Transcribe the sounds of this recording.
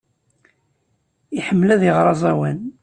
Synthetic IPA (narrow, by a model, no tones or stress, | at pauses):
iħəmːəlæðəʁɾˤɑzˤæwæn